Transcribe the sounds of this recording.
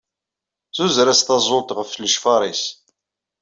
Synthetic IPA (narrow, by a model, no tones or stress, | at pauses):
θuzɾæst̪ɑzˤolt̪ʁəfləʃfɑɾˤis